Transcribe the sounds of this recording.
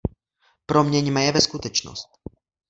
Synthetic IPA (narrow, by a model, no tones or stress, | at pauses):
pɾomɲɛɲmɛjɛvɛskut̪ɛt͡ʃno̰st̪̚